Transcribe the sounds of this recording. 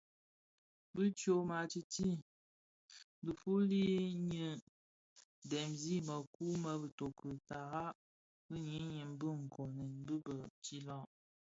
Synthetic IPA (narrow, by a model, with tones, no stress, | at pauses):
bɨ˦t͡ʃjo˦˨ma˨t͡ʃi˨ti˦ | bɨ˨fu˦li˦ɲə˨ | dɛ˨mzi˦mə˨ku˦mə˨bɨ˨to˨kə˨ta˨ɣa˦ | bɨ˦ɲi˦ɲi˨m˦bɨ˦ŋ̩˨kʰo˨ni˨n˦bɨ˦bə˨t͡ʃi˦lɔ̃˦˨ʔ